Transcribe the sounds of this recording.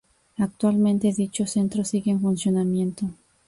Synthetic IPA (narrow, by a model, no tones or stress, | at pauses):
ak̚t̪walmẽnt̪eðit͡ʃosent̪ɾosiɣeɱfunsjonamjẽ̞nt̪o